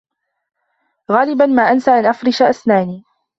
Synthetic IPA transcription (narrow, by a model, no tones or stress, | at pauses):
ɣaːlɪbanmaːʔansaʔanʔafɾɪʃaʔasnaːniː